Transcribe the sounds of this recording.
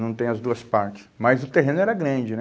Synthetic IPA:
nɐ̃w̃t̪ẽj̃ɐzd̪uɐspaɾt͡ʃɪ̥smɐjzʊt̪eɦẽnʊɛɾɐɡɾɐ̃d͡ʒɪnɛ

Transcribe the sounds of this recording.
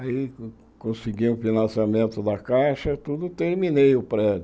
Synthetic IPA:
ai | kõsiɡĩʊfinɐ̃samẽnt̪ʊd̪ɐkaʃɐt̪ud̪ʊt̪eɾminejʊpɾɛd͡ʒʊ

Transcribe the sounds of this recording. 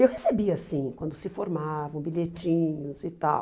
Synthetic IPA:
ewɦesebiɐasĩkwɐ̃nd̪ʊsɪfoɾmavɐ̃w̃biʎet͡ʃĩɲʊzɪt̪a̰w

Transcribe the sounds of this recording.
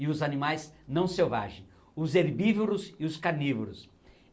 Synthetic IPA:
ɪʊzanimajznɐ̃w̃sewva̰ʒẽj̃ | ʊzeɾbivoɾʊsɪʊskaɾnivoɾʊs

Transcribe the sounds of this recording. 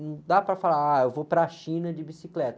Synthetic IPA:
ñd̪apɾɐfalaɾaewvopɾɐːʃĩnɐd͡ʒɪbisiklɛt̪ɐ

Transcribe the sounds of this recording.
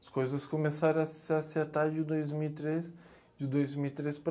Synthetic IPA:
ɐ̥skojzɐskkomesaɾɐ̃asɪaseɾt̪aɾd͡ʒɪd̪ojzmiwt̪ɾes | d͡ʒɪd̪ojzmiwit̪ɾespɾ

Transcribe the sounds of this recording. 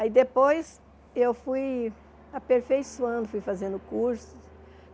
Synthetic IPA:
aid̪epojs | ewfuj | apeɾfejsuɐ̃nd̪ʊfujfazẽnd̪ʊkuɾsʊ̥s

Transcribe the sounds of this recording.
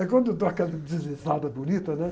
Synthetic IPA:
ɛkwɐ̃nd̪ud̪ɔɐkɛlɐd̪zɨzizad̪ɐbunit̪ɐnɛ

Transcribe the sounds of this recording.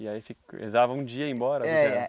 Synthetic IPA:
iaifikḛzavɐũd͡ʒiɐẽbɔɾɐɛɛ

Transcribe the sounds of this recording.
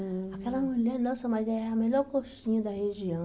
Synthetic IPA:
akɛlɐmulɛɾnɐ̃w̃sɐ̃mazɛɛamelɔɾkoʃsĩɲɐd̪ɐheʒiɐ̃w̃

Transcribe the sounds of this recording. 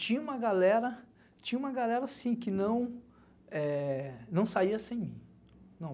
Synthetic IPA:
t͡ʃĩɲɐũmɐɡalɛɾɐ | t͡ʃĩɲɐũmɐɡalɛɾɐsĩkɪnɐ̃w̃ | ɛnɐ̃w̃saiɐsẽj̃mĩ | nɐ̃w̃

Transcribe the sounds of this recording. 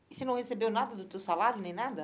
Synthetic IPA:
ɪsɪnɐ̃w̃hesebewnad̪ɐd̪ʊt̪ewsalaɾjʊnẽj̃nad̪ɐ

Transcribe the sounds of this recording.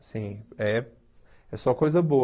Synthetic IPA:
sĩɛ | ɛsɔkojzɐbo

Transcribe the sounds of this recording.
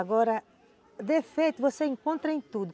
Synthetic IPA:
ɡɔɾɐ | d̪efejt̪ʊvoseĩŋkõnt̪ɾɐẽj̃t̪ud̪ʊ

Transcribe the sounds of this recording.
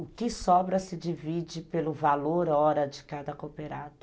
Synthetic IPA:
ʊkɪsɔbɾɐsɪd͡ʒivid͡ʒɪpelʊvaloɾɔɾɐd͡ʒɪkad̪ɐkopeɾad̪ʊ̥

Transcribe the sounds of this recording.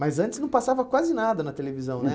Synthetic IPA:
mɐzɐ̃t͡ʃ̪ɪsnɐ̃w̃pasavɐkwazɪnad̪ɐnɐt̪elevizɐ̃w̃nɛ

